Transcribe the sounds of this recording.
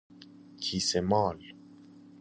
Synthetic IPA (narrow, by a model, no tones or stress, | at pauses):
kʰisemɑl